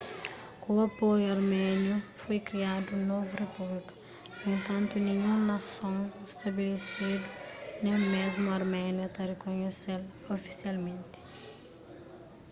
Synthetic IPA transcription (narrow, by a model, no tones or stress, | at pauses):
kuɐpojuɐɾmɛnjufojkɾiad̪unovurepublikɐ̥ | nẽnt̪ɐ̃nt̪unĩɲũnɐsõwest̪ɐbelesid̪unẽmezmuɐɾmɛnjɐt̪ɐrekoɲesel | ofi̥sialmẽnt̪i̥